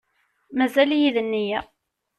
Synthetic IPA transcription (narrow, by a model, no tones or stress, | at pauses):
mæzæljiðənːijæ